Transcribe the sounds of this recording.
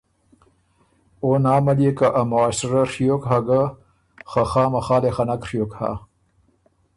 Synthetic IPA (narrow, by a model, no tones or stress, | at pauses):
oːnaːmaliekaʔamoaːsɾaʂijokɦaɡa | xaxaːmɐxaːlexanakʂijokha̰ː